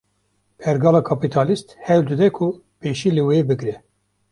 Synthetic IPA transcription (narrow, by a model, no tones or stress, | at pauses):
pʰɛɾɡɑːlɑːkʰɑpit̪ʰɑːlist̪hɛwld̪ɨd̪ɛkʰʊ | peːʃiːlɨwebɨɡɾɛ